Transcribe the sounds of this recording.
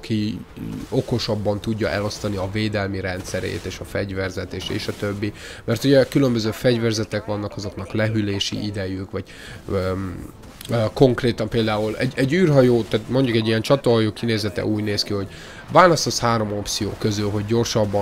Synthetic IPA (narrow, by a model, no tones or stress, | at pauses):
ki | oko̞ʃɒbːɒnt̪uɟːɒʔɛlo̞st̪ɒniɒveːd̪ɛlmiɾɛnt̪sɛɾḛːt̪eːʃɒfɛɟvɛrzɛt̪eːʃḛːʃɒt̪øbːi | mɛrt̪uɟɛkylømbøzøːfɛɟvɛrzɛt̪ɛkʋɒnːɒkɒzo̞knɒklɛɦyleːʃḭʔid̪ɛjykʋɒɟ̥ | ko̞ŋkreːt̪ɒmpeːld̪aːulɛ̰ɟɛɟːyːrɦɒjoːt̪aːt̪mo̞ɲɟukɛɟːijɛnt͡ʃɒt̪oɦɒjoːkineːzɛt̪ɛ̰ʔuːɟneːskiho̞ɟ | vaːlɒst̪ɒshaːɾo̞mo̞pt̪sijoːkøzylɦo̞ɟːo̞rʃɒbː